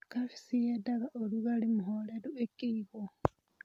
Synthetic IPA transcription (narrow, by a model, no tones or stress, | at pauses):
kafi̥sijedaɣaʔoluɣalimuholeɾuekiiɣo